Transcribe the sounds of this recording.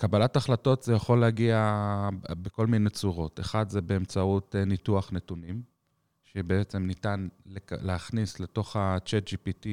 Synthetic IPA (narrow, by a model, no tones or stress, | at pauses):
kabalataχlato̞tz̥ejaχo̞lːehaɡia | beko̞lmine̞t͡suʁo̞te̞χadzebeːmt͡sautenituaχnetunim | ʃebeet͡se̞mnitanleleaχnisle̞to̞χat͡ʃetd͡ʒipiti